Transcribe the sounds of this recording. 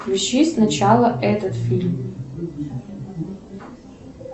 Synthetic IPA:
ɥuʃisnat͡ʃʰalˠɐʔɛtʰɐtfilʲm

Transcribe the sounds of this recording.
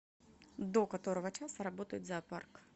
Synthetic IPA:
d̪okɐt̪oɾɐvɐt͡ʃasɐɾɐbot̪əjɪt̪zɐːpark

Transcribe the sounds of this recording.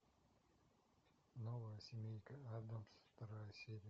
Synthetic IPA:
novəjəsʲɪmʲejkəad̪əmsft̪ɐɾajəsʲeɾʲɪ

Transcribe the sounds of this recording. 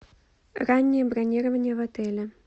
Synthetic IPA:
ranʲːɛjɛbɾanʲiɾɐvɐnʲɛvat̪ɛlʲɛ

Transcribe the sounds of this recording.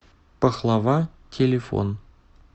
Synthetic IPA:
pəχlˠɑvɑtʲʰelʲefo̰n

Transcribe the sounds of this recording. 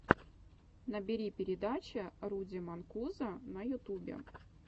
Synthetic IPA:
nəbʲɪɾʲipʲɪɾʲɪd̪at͡ɕɪrudʲɪmɐnkuzənɐjʊt̪ubʲɪ̰

